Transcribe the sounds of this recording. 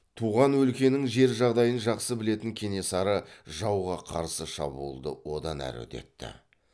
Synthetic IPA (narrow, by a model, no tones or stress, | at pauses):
t̪ʰuʁɑnwɵlkʲe̞nɪŋʒe̞ɾʒɑʁd̪ɑjənʒɑqsəbɪle̞t̪ɪŋkʲʰe̞ne̞sɑɾəʒɑwʁɑqʰɑ̰ɾsəʃɑ̰buəlˠd̪əwo̞d̪ɑnæ̰ɾɵ̰t̪e̞̰t̪ːɪ̰